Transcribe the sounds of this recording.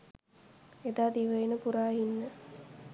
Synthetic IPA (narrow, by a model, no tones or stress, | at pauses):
ed̪aːd̪iʋəjinəpuɾaːɦinːə